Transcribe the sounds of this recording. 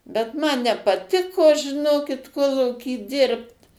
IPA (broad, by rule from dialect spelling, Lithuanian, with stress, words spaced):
bʲɛt ˈmɐn nʲɛpɐˈtʲɪkoː ʒʲɪˈnoːkʲɪt ˈkoːlˠuːkʲiː ˈdʲɪrpt